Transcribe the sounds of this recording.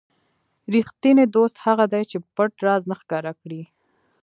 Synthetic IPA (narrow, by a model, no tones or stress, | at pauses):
ɾixt̪ined̪ost̪haɣad̪ajt͡ʃepəʈɾɑznaxkɑɾakɽi